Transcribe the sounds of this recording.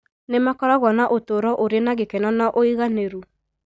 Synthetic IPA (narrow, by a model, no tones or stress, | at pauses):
nemakɔɾɔɣwɔnaʔotoɾɔʔoɾenaɣekɛnɔnɔʔoiɣaneɾu